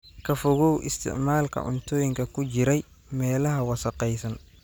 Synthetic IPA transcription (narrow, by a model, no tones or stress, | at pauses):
kʰɐfɔɣɔwʔɪst̪ʰɪ̰ʕmaːlkʰɐ̰ʔʊ̰nt̪ʰɔːjɪŋkʰɐkʰʊt͡ʃɪɾɛj | mɛːlɐɦɐwɑsɐqɛjsɐn